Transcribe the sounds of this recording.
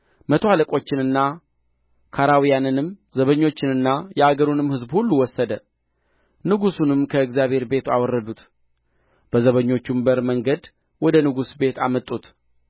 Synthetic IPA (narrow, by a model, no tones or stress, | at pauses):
mət̪ʰoaləkʼo̞t͡ʃːɪnɨnːa | kʰaɾawijanɨnɨmzəβəɲːo̞t͡ʃːɪnɨnːajɛaɡəɾunɨmhɨzbhulːuwɔsːəd̪ə | nɨɡusunɨmkʰəɨɡzjaβhe̞ɾbe̞t̪awɔrːəd̪ut̪ | b̥əzəβəɲːo̞t͡ʃːumbəɾməŋɡəd̪ | wɔd̪ənɨɡusbe̞t̪ʰamət̪ʼut̪